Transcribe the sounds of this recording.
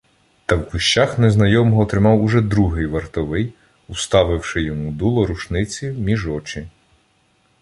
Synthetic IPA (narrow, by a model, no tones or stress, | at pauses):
t̪ɐwkʊʃt͡ʃɑxnɛznɐjɔmɔɦɔːt̪ɾɪmɑwʊʒɛd̪ɾuɦɪjʋɐrt̪ɔʋɪj | ʊst̪ɑʋɪwʃɪjɔmud̪ulˠɔɾʊʃnɪt͡sʲimʲiʒɔt͡ʃi